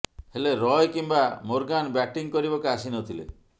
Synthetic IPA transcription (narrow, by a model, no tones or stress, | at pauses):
heleɾɔjkimbamoɾɡanbɛʈiŋkɔɾibɔkasinɔt̪ʰilḛ